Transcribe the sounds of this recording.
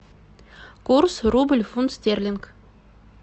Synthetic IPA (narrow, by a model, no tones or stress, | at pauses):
kursrubə̆lʲfunt̪st̪ʲerʲlʲink